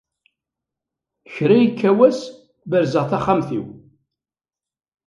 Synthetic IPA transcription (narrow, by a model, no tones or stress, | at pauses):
çɾæjikʰːæwæs | bəɾzəʁθaχamθḭw